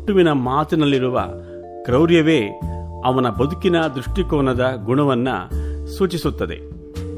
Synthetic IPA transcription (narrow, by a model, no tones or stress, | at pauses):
ʈːuʋinɐmaːt̪inɐlːiɾuʋɐ̰ | kɾɐwɾjɐʋe̞ːɐʋɐnɐbɐd̪ukinɐd̪ɾuʂʈikɔːnɐd̪ɐɡuɳɐʋɐnːɐ̰suːt͡ʃisut̪ːɐd̪ḛ